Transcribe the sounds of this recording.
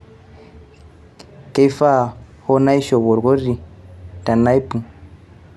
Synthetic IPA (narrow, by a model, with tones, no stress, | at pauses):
ke˦jfa˦˨ho˦na˦i˦ʃɔ˨βɔ˨ɾɡo˦ɾi˨ta˨na˦i˦pu˨